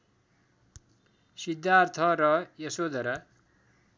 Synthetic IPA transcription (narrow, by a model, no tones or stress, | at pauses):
sid̪ːaɾt̪ʰʌɾʌjesod̪ʱʌɾʌ